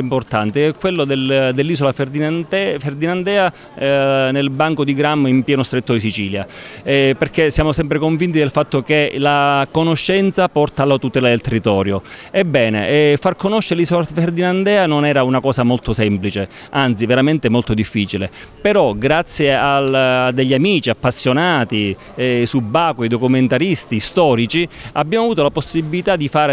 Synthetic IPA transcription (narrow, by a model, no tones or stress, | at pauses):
import̪ant̪eɛkːwelːod̪eld̪elːiːsolafd̪iɛferd̪inand̪ɛːa | nelbaŋkod̪iɡɾamːimpjɛːnost̪ɾet̪ːod̪is̬it͡ʃiːljaɛperkesːjaːmosɛmp̬ɾekoɱvint̪id̪elfat̪ːokelakonoʃːɛnt̪sapɔrt̪aːlːat̪ut̪ɛːlad̪elt̪erːit̪ɔːɾjoɛbːɛːnḛfarkonoʃːeɾelisɔɾt̪ferd̪inand̪ɛːanonɛːɾaunakɔːsamolt̪osɛmplit͡ʃe | ant̪siveɾament̪ɛmolt̪od̪ifːiːt͡ʃilḛ | peɾɔɡɾat̪sjealːd̪ːeʎːamiːt͡ʃiapːasːjonaːt̪i | ɛsubːaːkweid̪okument̪aɾist̪ist̪ɔːɾit͡ʃiabːjaːmoavuːt̪olaposːibilit̪ad̪ifaːɾe